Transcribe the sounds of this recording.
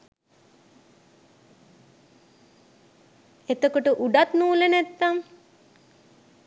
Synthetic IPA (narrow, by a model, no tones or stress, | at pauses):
et̪okoʈəʔuɖat̪nuːlənæt̪ːaŋ